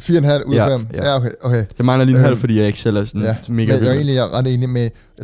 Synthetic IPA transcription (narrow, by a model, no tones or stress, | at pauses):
fiːɐenɦæl̰uðˠfem̰jæokʰeɪʔokʰejɑ̈ɪmɑ̈ɪlɐliːnhɦæl̰fɒdḭːjɑɐe̝ɡ̥sel̰æɐsɔnæme̝ːɡ̥jae̝̰ːnliæɐʁɑd̥e̝ːnime